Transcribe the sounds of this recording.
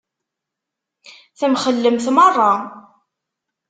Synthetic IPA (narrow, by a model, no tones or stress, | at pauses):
θəmχəlːəmθmərˤːɑ